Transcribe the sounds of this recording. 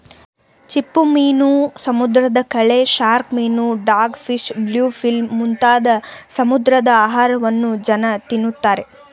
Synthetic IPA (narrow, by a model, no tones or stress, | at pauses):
t͡ʃipːumiːnusɐmud̪ɾɐd̪ɐkɐɭe̞ʃaːɾkmiːnuɖaːɾɡpʰiʃbljuːpʰilmːunt̪aːd̪ɐsɐmud̪ɾɐd̪ɐaːɦaːɾɐʋɐnːud͡ʒɐnɐt̪inːut̪ːaːɾe̞